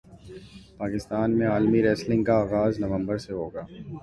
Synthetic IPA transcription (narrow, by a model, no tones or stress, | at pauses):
paːkɪst̪aːnmẽaːlmiɾɛːslɪ̃ŋɡkaaːɣaːznɐʋə̃mbəɾseɦoːɡaː